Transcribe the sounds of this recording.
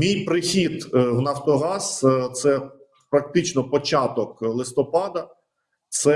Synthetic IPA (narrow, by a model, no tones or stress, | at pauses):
mʲijpɾɪxʲid̪wnɐft̪ɔɦɑst̪sɛ | pɾɐk̚t̪ɪt͡ʃnɔpɔt͡ʃɑt̪ɔklˠɪst̪ɔpɑd̪ɐ | t̪sɛ